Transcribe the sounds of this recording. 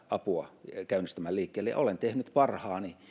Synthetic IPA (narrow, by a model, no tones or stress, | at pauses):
ɑpuɑkæynːˑist̪æmælliːkːeːlːejɑ̰ʔolent̪ehnyt̪pɑrhɑːni